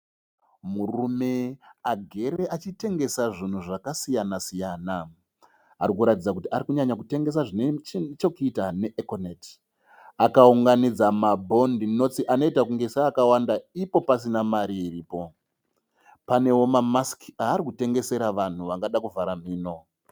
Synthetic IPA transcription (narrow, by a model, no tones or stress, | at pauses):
murume̞aɡʱe̞ɾe̞ʔat͡ʃite̞ŋɡe̞saʐin̤uʐakasijanasijaːna | a̰ɾikuɾatid͡zakutiaɾikuɲaɲak̬ute̞ŋɡe̞s̬aʐinet͡ʃokitane̞ʔekonet | akauŋɡanid͡zamabʱo̞ndino̞t͡siʔano̞itakuŋɡesaːkawandaipo̞pasinamaɾiːriːpo̞ | pane̞wo̞mamaskiɦaːɾikute̞ŋɡe̞se̞ɾaʋan̤uʋaŋɡaɗakuvaɾam̤iːno̞